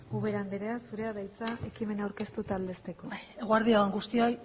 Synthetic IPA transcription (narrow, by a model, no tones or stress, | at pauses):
uβe̞ɾand̪eɾe̞asuɾe̞aðajt͡saʔe̞kime̞nawɾke̞st̪ut̪aːld̪e̞st̪eko̞e̞ɣoaɾðiaaŋɡust̪ioj